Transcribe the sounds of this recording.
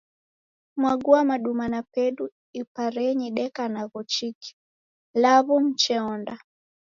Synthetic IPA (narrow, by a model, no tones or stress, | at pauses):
mwaɡuamaɗumanapɛɗu | ipaɾɛɲiɗɛkanaɣɔt͡ʃiki̥ | laβum̩t͡ʃɛɔnda